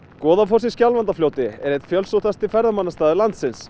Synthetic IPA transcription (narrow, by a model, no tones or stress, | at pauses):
kɔːðafɔsɪscalvant̪afljoːwt̪ɪɛ̰ɾɛt̪fjœlsoθɛst̪ɪfɛɾðamanːast̪aːðɪlant̪sɪns